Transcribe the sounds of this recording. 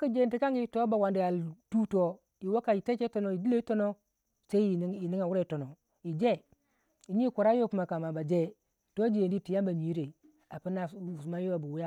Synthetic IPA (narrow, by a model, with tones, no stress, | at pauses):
ki˦d͡ʒe˨n˦ti˦ka˦ŋɡi˦˨to˦ba˨wa˨ndi˨a˨ldu˦to˦ | ji˨wo˦ka˨i˨te˦ke˦to˨no˨i˨di˦e˦i˦to˦no˦ | se˦i˦i˨n˦i˨ni˦ŋa˨wu˦ɾe˨˦to˨no˨ | i˨d͡ʒe˦ | i˨ɲi˦ko˨ɾa˦jo˦ku˨ma˨ka˨ma˨ba˨d͡ʒe˦ | to˦d͡ʒi˨je˨ndi˦ti˨ja˦ba˨ɲi˨˦ɾe˨ | a˨pi˦na˨u˨s̬u˨ma˦jo˦wa˨bu˨wu˦ja˦